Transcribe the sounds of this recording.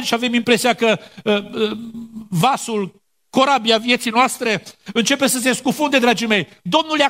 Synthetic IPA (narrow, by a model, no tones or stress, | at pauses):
ʃiave̞mimpɾe̞sijakə | vasul | ko̞ɾabiavje̞t̪sijnoast̪ɾe̞ɨnt͡ʃe̞pe̞səs̬e̞skufund̪e̞d̪ɾad͡ʒime̞j | d̪o̞mnulja